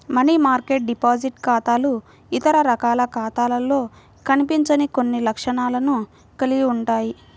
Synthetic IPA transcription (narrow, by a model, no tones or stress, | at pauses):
mɐnimaːɾkeːʈ̚ɖipaːd͡ʒiʈkaːt̪aːlu | it̪ɐɾɐɾɐkaːlɐkaːt̪aːlɐlo̞ː | kɐnipiɲt͡ʃɐnikonːilɐkʂɐɳaːlɐnu | kɐliɡiuɳʈaːji